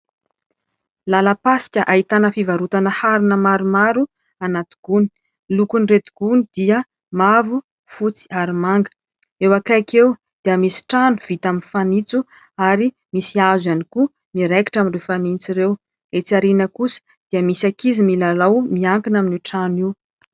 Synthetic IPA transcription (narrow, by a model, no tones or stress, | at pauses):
laləpasi̥kʲəʔaɦit̪anəfivaɾut̪anəhaɾinəmaɾumaɾu | anat̪i̥ɡ̥uni̥ | lukunret̪i̥ɡ̥unid̪iə | mavu | fut͡si̥aɾimaŋɡə̥ | ewakakew | d̪̥iəmisi̥ʈ͡ʂanuv̥it̪aminfanit͡su | aɾi | misiazaniku | miɾeki̥ʈ͡ʂaminrewfanint͡siɾew | et͡siaɾinəkusə̥ | d̪̥iəmisakizimilalawmiaŋkinaminiʈ͡ʂaniw